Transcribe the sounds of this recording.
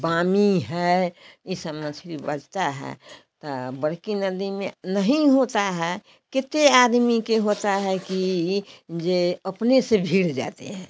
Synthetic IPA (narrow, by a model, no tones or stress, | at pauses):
bamiɦɛisəbməsʰɾibəd͡ʒt̪aɦɛ̰ | t̪ɔbəɽkinəd̪imẽnəɦĩɦot̪aɦɛ | kɪt̪ead̪mikeɦot̪aɦɛki | d͡ʒeəpnesebʱiɽd͡ʒa̰t̪ḛɦɛ̃